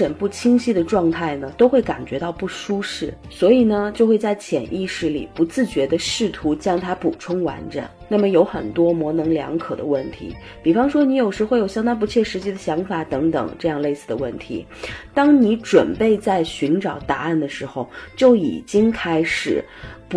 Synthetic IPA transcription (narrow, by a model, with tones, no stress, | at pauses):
ə˨˩npu˥˩t͡ɕʰi˥ŋɕi˥˩d̪ə˩ʈ͡ʂwɑ˥˧ŋt̪ʰa˥˩ɪnə˩t̪o˥ʊxwe˥˩ɪka̰˨˩nt͡ɕɥɛ˧˥t̪ɑ˥˧ʊpu˥˩ʂu˥ʂɻ̩˥˩ | swɔ˧˥i˨˩nə˩t͡ɕjo˥˧ʊxwe˥˧ɪt͡sa˥˧˩ɪt͡ɕʰjɛ˨˩nʔi˥˧ʂɻ̩˥˩lḭ˨˩pu˧˥t͡sɹ̩˥˩t͡ɕɥɛ˧˥d̪ə˧ʂɻ̩˥˩t̪ʰu˧˥t͡ɕjɑ˥ŋt̪ʰa˥pu˨˩ʈ͡ʂʰʊ˥ŋwa̰˧˥nʈ͡ʂɤ̰˨˩˦ŋna˥˩mə˩jo˧˥ʊxə̰˨˩nt̪wɔ˥mwɔ˧˥nɤ˧˥ŋljɑ̰˧˥ŋkʰɤ˨˩d̪ə̰˦wə˥˩nt̪ʰḭ˧˥ | pi˨˩fɑ˥ŋʂwɔ˥ni˧˥jo˨˩ʊʂɻ̩˧˥xwo˧˥ɪjo˨˩ɕjɑ˥ŋt̪̬a˥np̬u˧˥t͡ɕʰjɛ˥˩ʂɻ̩˧˥t͡ɕi˧˥d̪ə˨ɕjɑ˧˥ŋfa˨˧˩t̪ɤ˧˥ŋt̪ɤ̰˨˩ŋʈ͡ʂɤ˥˧jɑ˥˧ŋle˥˧ɪsɹ̩˥˩d̪ə˩wə˥˩nt̪ʰḭ˧˥ | t̪ɑ˥ŋni˧˥ʈ͡ʂwə˨˩npe˥˧ɪt͡sa˥˩ɪɕy˧˥nʈ͡ʂɑ˨˩ʊt̪a˧˥a˥˩nd̪ə˩ʂɻ̩˧˥xo˧ʊt͡ɕjo˥˩ʊḭ˨˩t͡ɕi˥ŋkʰa˥ɪʂɻ̩˨˩˦ | p